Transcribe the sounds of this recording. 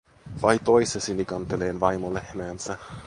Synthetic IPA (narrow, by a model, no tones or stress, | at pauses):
ʋɑjt̪o̞jsesinikɑnt̪eleːnʋɑjmolehmæːnsæ